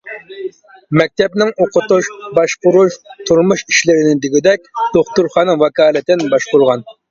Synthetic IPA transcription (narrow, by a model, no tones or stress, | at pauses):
mɛk̚ʲt̪ʰɛpnɪŋoqʰʊt̪uʃbɑʃbʊɾuʃt̪ʰuɾmuʃiʃlɪɾɪnɪd̪ɪɡʲid̪ɛk̚ʲd̪̥oχt̪uɾχɑːnɨwɑkʰɑːlˠɨt̪ɪnbɑʃqʊɾʁɑn